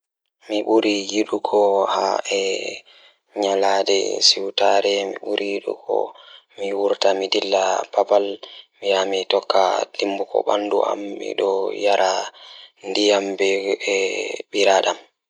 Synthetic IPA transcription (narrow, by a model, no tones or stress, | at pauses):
miɓuɾijiɗukʰɔhaɛ | ɲaladɛ̰siwtaɾɛmḭɓuɾijiɗṵkʰɔ̰ | miwuɾtamidilːabapalmijamitɔkːad̥imbukɔ̰ɓa̰ndṵa̰mːḭɗɔjaɾa | ndijambɛɛɓiɾaɗam